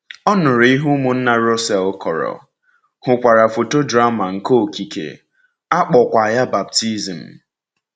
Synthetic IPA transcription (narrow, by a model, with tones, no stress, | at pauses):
ɔ˦nʊ˨ɾi˦ɦu˦mʊ˨n̩˦na˨ɾɔ˦sɛ˨lkʰɔ˨ɾɔ̰˨ | hʊ˨kʷa˨ɾa˨fo˨to˦dɾa˦ma˨ŋ̩˨ko˦˨ki˨kḛ˨ | a˦k͡pɔ˨kʷa˨ja˦ba˨p̚ti˦zm̩˨